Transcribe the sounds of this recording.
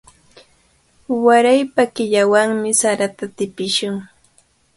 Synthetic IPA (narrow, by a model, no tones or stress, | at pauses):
waɾajpakɪʎawaŋmɪsaɾat̪at̪ɪpɪʃʊŋ